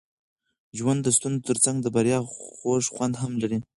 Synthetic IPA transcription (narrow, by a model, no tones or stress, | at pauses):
ʒwand̪ːəst̪unzot̪əɾt͡saŋɡd̪əbaɾjɑxoʂxwand̪ɦamlaɾi